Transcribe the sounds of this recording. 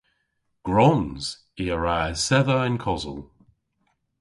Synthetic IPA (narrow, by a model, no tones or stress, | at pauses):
ɡ̥ɹɔnz̥ | iəɹasɛðəɪnkʰɔzə̰lˠ